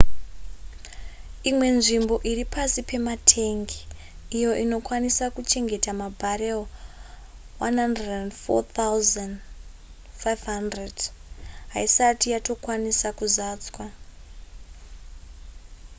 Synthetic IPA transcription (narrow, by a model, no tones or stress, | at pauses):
imwe̞nʐimbo̞ʔiɾipasipe̞matʰe̞ŋɡiː | jo̞ʔino̞kwanisakut͡ʃe̞ŋɡe̞tamabʱaɾel | wanɦandredendfo̰t̪ʰawzan | fajvɦandredɦaisatijato̞kwanisakuzaːt͡swa